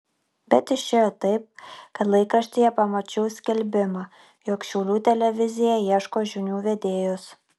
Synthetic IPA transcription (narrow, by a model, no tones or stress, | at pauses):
bʲɛt̪ɪʃʲt͡ʃʲeːjoːt̪ɐɪp̚kɐt̪lˠɐɪkɾɐʃʲt̪ʲijɛpɐmot͡ʃʲɛʊsʲkʲɛlʲbʲɪmɐ | joːkʃʲɛʊlʲuːt̪ʲɛlʲɛʋʲɪzʲɪjɛjiɛʃkoːʒʲunʲuːʋʲɛd̪ʲeːjʊs